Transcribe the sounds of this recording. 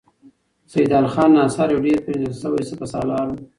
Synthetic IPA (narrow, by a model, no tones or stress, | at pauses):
sajid̪ɑːlxɑːnːɑːsɑːɾjawɖeɾpɾed̪alsəwajsəpasɑːlɑːɾ